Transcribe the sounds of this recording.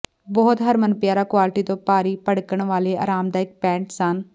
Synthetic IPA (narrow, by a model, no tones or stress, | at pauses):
bɔːt̪ɦəɾmənpɪjaːɾaːkʋaːlʈiːt̪õːpaːɾiːpəɽkəɳʋaːleːa̰ːɾaːmd̪aːɪk̚pɛ̃ːɳʈsən